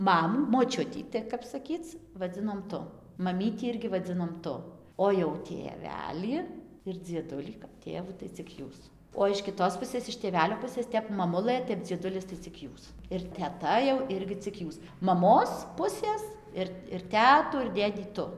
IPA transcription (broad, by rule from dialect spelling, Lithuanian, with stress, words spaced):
ˈmɑːmuː moːˈt͡ʃʲʊtʲiː tʲɪ kɐp sɐˈkʲiːt͡s ʋɐˈd͡zʲɪnoːm ˈtʊ mɐˈmʲiːtʲiː ˈɪrʲɡʲɪ ʋɐˈd͡zʲɪnoːm ˈtʊ oː jɛʊ tʲeːˈʋʲæːlʲiː ɪr d͡zʲiɛˈdʊlʲiː kɐp ˈtʲeːʋuː tɐɪ t͡sʲɪk ˈjuːs oː ɪʃ kʲɪˈtoːs ˈpʊsʲeːs ɪʃ tʲeːˈʋʲæːlʲoː ˈpʊsʲeːs ˈtʲɛp mɐˈmʊlˠɘ ˈtʲɛp d͡zʲiɛˈdʊlʲɪs tɐɪ t͡sʲɪk ˈjuːs ɪr tʲɛˈtɐ jɛʊ ˈɪrʲɡʲɪ ɪk ˈjuːs mɐˈmoːs ˈpʊsʲeːs ɪr ɪr ˈtʲæːtuː ɪr ˈdʲeːdʲiː ˈtʊ